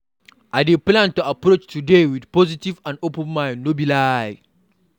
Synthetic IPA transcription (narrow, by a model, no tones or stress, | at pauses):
ʔadeplãntuapɾot͡ʃtudewidpɔzitivãndopɛ̃nmaɪnːobilaj